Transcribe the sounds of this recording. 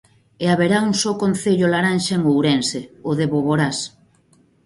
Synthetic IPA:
eaβeɾauŋsokonθeʎolaɾanʃaeŋowɾenseoðeβoβoɾas

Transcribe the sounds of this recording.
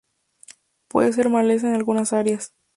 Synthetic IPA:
pwḛðes̬e̞ɾmales̬enalɣunasaɾjas

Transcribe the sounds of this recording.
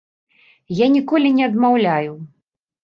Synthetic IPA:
janʲikɔlʲinʲɛɐd̪mawlʲaju

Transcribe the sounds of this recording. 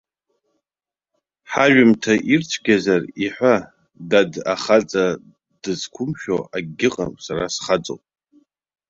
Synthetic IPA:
ħaʒᶣɪmtʰaʔirt͡sʷʰɡʲazariħʷa | dada̰χat͡sʼa | d̥ɨzkʷʰʊmʃᶣo̰aɡʲɪqʼa̰msaɾasχat͡sʼo̰pʼ

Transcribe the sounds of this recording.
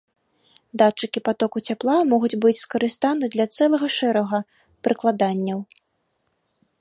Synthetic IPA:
d̪at͡ʂːɨkʲipat̪ɔkut͡sʲaplˠamɔɣud͡zʲbɨt͡sʲskɐɾɨst̪anɨd̪lʲɐt̪sɛlˠɐɣɐʂɛɾɐɣɐ | pɾʔɨklˠad̪anʲːɐw

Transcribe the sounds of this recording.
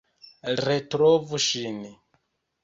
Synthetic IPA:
ɾɛtɾɔvuʃini

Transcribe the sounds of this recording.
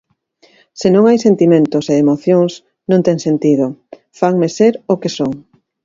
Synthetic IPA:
senõŋajsent̪imẽnt̪oseemoθjoŋs | nõŋt̪ɛŋsent̪ið̞o | faŋmeseɾokesoŋ

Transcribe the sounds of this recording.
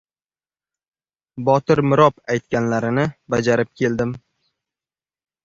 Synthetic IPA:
bɒt̪ɪɾmɪɾɒpajt̪̚kʲanlaɾɪnɪbad͡ʒaɾɪp̚kʲʰe̞ld̪ɪm

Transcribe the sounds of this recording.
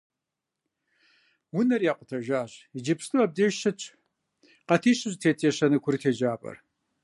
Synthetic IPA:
wʊnɐrjaːqʷʊtʰɐʒaːɕid͡ʒipstʰʼuɐb̚deːʒʃɐt͡ʃʼʰ | qɐtʰiːɕɪʑtʰeːtʰʼeːɕɐnɨkʷʰʊrtʰeːd͡ʒaːpʼɐ̰r

